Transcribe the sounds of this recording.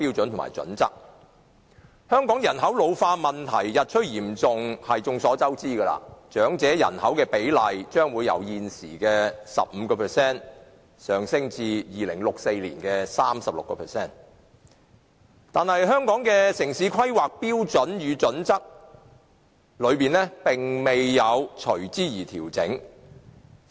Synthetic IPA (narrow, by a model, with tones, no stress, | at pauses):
piː˥wt͡sɵ˨˥nt̪ʰma̰ː˨˩jt͡sɵ̰˨˥nt͡sɐ˥k̚ | hœː˥ŋkɔː˨˥ŋjɐ˨˩nɦɐ˨˥wlo˨˧wfaː˧mɐ˨nt̪ʰɐ̰˨˩jːɐ˨t̚t͡ʃʰɵ˥t̚jiː˨˩mt͡sʊ˨ŋhɐ˨jt͡sʊ˧ŋsɔː˨˥t͡sɐ˥wt͡siː˥ɡɐ˧la̰ː˧t͡ʃœː˨˥ŋt͡sɛː˨˥jɐ̰˨˩nhɐ˨˥wkɛː˧pe˨˥jlɐ˨jt͡ʃœː˥ŋwuː˨˧jɐ̰˨˧wjiː˧nsḭː˨˩kɛː˧sɐ̰˨p̚m̩˨˧kɔː˧pʰɛ˨sɛː˥˩n | sœː˨ŋsɪ˥ŋt͡siː˧jiː˨lɪ˨˩ŋlʊ˨k̚se˧jliː˨˩nkɛː˧saː˥msɐ˨p̚lʊ̰˨kːɔː˧pʰɛː˨˩sɛː˥˩n | t̪aː˨nhɐ˨jɦœː˥ŋkɔː˨˥ŋkɛː˧sɪ˨˩ŋsiː˨˥kʰɐ˥jwaː˨k̚piː˥wt͡sɵ˨˥njyː˨˧t͡sɵ˨˥nt͡sɐ˥k̚ | lɵ˨˧ɥpiː˨˩nɛː˥pɪ˨˩ŋme˨jːɐ˨˧wt͡ʃʰɵ˨˩ɥt͡siː˥jiː˨˩t̪ʰiː˨˩wt͡sɪ˨˥ŋ